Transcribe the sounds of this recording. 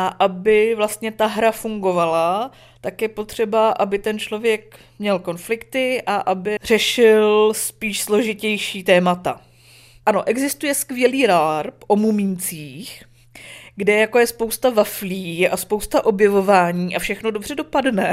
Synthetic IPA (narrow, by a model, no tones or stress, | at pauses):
ʔaʔabɪvlast̪ɲɛt̪aɦɾafuŋɡo̞vala | t̪akjɛpo̞t̪r̝̥ɛbaʔabɪt̪ɛnt͡ʃlo̞vjɛk | mɲɛlko̞nflɪkt̪ɪʔaʔabɪr̝̥ɛʃɪlspiːʃslo̞ʒɪcɛjʃiːt̪ɛːmat̪a | ʔano̞ʔɛɡzɪst̪ujɛskvjɛliːɾaɾpʔo̞mumint͡siːx | ɡdɛjako̞jɛspo̞wst̪avafliʔaspo̞wst̪aʔo̞bjɛvo̞vaːɲiːʔafʃɛxno̞do̞br̝ɛdo̞padnɛ